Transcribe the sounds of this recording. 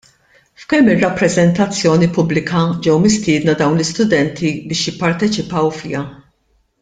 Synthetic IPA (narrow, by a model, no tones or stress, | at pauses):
fkɛmːɪrːɐpːɾɛzɛnt̪ɐt͡sːjɔːnipʊblɪkʰɐd͡ʒɛwmɪst̪ɪːd̪nɐd̪ɐwnlɪst̪ʊd̪ɛnt̪ʰibɪːʃjɪpːɐɾt̪ɛt͡ʃɪpɐwfɪ̰jɐ